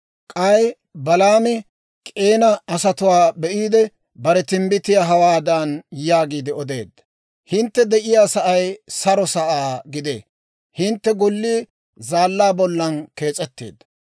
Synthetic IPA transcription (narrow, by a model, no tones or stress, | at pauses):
kʼɐj | bɐlaːmɛ | kʼe̞ːnɐɐsɐt̪ʊwaːbɛʔiːd̪ɛ | bɐɾɛt̪ɪmbɪt̪ɪjaɦɐwaːd̪anjaːɡiːd̪ɪɔd̪e̞̰ːd̪ːɐ | hɪnt̪ːɛd̪ɛʔɪjaːsɐʔɐjsɐɾɔsɐʔaːɡɪd̪ḛː | hɪnt̪ːɛɡʊlːiː | zaːlːaːbɔlːɐnke̞ːt͡sʼɛt̪ːeːd̪ːɐ̥